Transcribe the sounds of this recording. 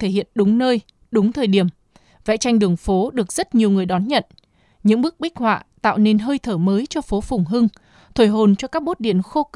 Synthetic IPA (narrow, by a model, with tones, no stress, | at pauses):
t̪ʰe˧˩hḭ˧˨ənɗʊ˨˦ŋ͡mnəː˧j | ɗʊ˨˦ŋ͡mt̪ʰəː˨˩jɗi˧˩əm | vɛ̰˧˥t͡ɕa˧jŋ̟ɗɨ˨˩əŋfo˨˦ɗɨ˨˩ək̚z̥ə˦˥t̚ɲi˨˩əwŋɨ˨˩əjɗɔ˨˦nɲə̰˧˨n | ɲɨ̰˧˥ŋɓɨ˦˥k̚ɓï˦˥k̚hwa̰ː˧˨t̪a̰ː˧˨wne˧nɦəː˧jt̪ʰəː˧˩məː˨˦jt͡ɕɔ˧fo˨˦fʊ˨˩ŋ͡mɦɨ˧ŋ | t̪ʰwo˧˩jɦo˨˩nt͡ɕɔ˧kaː˦˥k̚ɓo˦˥t̚ɗḭ˧˨ənxo˧